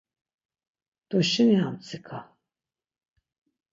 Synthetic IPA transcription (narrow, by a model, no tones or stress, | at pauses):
d̪̥ɔʃiniamt͡sʰikʰa